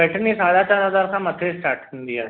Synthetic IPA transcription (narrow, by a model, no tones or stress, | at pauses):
ɛʈniːsaɽat͡ɕaɾɦəd͡zaɾkaməd̪ʱesʈaɾʈund̪ija